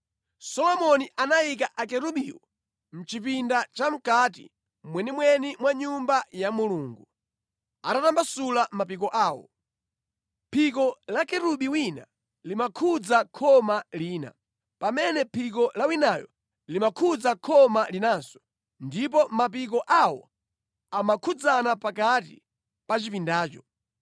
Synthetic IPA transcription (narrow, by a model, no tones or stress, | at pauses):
sɔlɔmɔniʔanajik̬aʔakɛɾuɓiːwɔ̰ | m̩t͡ʃip̬indat͡ʃam̩katḭ | mwɛnimwɛnimwaɲumbajamuluːŋɡu | atatambasulamapik̬ɔʔaːwɔ̰ | pʰik̬ɔlakɛɾuɓiwina̰ | limakʰud͡zakʰɔmaliːna̰ | pamɛnɛpʰik̬ɔlawinajɔ̰ | limakʰud͡zakʰɔmalinaːnsɔ̥ | ndip̬ɔmap̬ik̬ɔʔawɔ̰ | amakʰud͡zanapak̬at̬ḭ | pat͡ʃipindaːt͡ʃɔ